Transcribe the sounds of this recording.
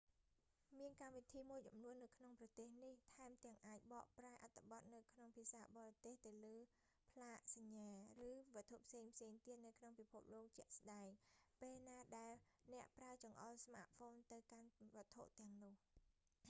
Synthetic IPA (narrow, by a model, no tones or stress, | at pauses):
miənkamʋit̪ʰiːmuəjt͡ɕumnuənːɨwkʰnoŋprɑt̪eːhniht̪ʰaɛmt̪ɛ̆əŋʔaːc̚ɓɑːʔpraɛʔat̪ʰːĕ̥ɓɑt̪̚nɨwkʰnoŋpʰiəsaːɓɑːrɑt̪eːht̪ɨwləː | pʰlaːʔsaɲːaːrɨːʋə̆ət̪ʰːoʔpʰseːŋpʰseːŋt̪iət̪̚nɨwkʰnoŋpipʰup̚loːk̚t͡ɕɛ̆əʔsɗaɛŋpeːlnaːɗaɛlnɛ̆əʔpraət͡ɕɑŋʔɑlsma̰ːt̪̚foːnt̪ɨwkanʋə̆ət̪ʰːoʔt̪ɛ̆əŋnŭəh